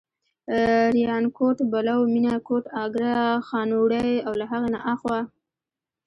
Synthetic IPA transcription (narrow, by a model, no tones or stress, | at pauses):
ɾijɑnkoʈbalawminakoʈɑɡɾaxɑnoɽajawlaɦaɣena̰ʔaxwa